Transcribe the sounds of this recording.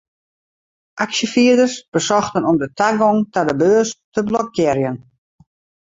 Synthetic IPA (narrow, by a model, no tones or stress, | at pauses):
ʔaksəfiədərsb̥əsɔxtənɔmdətʰaɡɔŋtadəbøːəstəblɔkːɪrjən